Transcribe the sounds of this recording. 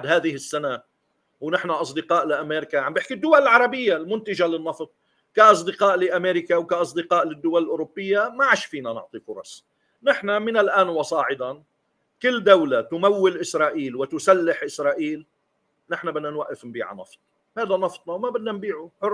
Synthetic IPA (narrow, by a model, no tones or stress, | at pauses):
d̪haːðɪhɪsːana | wnɪħnaʔɑs̬ˤd̪ɪqɑːʔlɪʔameːɾkaʕambɪħkid̪ːʊwalɪlʕɑɾˤɑbɪjːalmʊnt̪ɪʒalɪnːɑft̪̚ˤ | kaʔɑs̬ˤd̪ɪqɑːʔlɪʔameːɾɪkawkaʔɑsˤd̪ɪqɑːʔlɪd̪ːʊwalɪlʔʊɾʊbːɪjːamaʕaʃfiːnanɪ̰ʕt̪ˤifʊɾˤɑ̰sˤ | nɪħnamɪnalʔaːnwɑsˤɑːʕɪd̪ɑn | kɪlːd̪awlat̪ʊmawːɪlʔɪsɾˤɑːʔiːlwɪt̪ʊsalːɪħʔɪsɾˤɑːʔiːl | nɪħnabɪd̪nanwaʔːɪfnbiːʕa̰nɑ̰ft̪ˤ | haːðanɑft̪ˤnɑwmabɪd̪nanbiːʕʊħʊr